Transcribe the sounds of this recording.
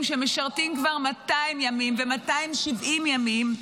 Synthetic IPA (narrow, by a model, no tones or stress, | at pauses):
mʃemeʃaʁtimkvaʁmataimjamimvemataimʃivʔimjamim